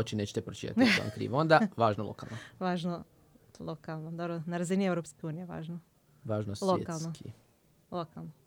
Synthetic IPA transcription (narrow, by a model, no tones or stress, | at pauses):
ot͡ɕineːt͡ɕet̪epɾot͡ʃit̪a̰t̪ḭa̰mkɾḭːʋo̞nd̪aʋaːʒnolˠo̰kalnoʋaːʒno | lˠokalˠnod̪obɾonaɾaziniewɾopskeuːnijeʋa̰ːʒno | ʋaːʒnoslʋloḛkalˠnokʰḭ | lˠokalˠno